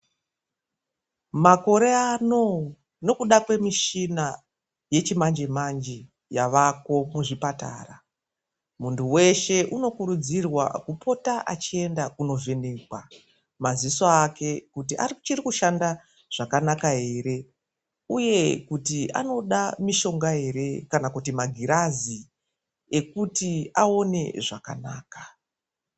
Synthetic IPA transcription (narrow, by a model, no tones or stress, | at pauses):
mako̞ɾe̞ano̞ | no̞kuɗakwe̞miʃina | je̞t͡ʃimand͡ʒemand͡ʒi | jaʋako̞muʐipata̰ːra | muntʰuwe̞ʃe̞ʔuno̞kuɾud͡zirwa̰kupʰo̞taʔat͡ʃie̞ndakuno̞ve̞neːkwa | mazisoake̞kutia̰rt͡ʃirikuʃanda | ʐ̥akanakaɦe̞ːɾe̞ | uje̞kutia̰no̞ɗamiʃo̞ŋɡaɦe̞ɾe̞kanakutimaɡʱiɾazi | ekutiao̞ne̞̰ʐaka̰na̰ːkḁ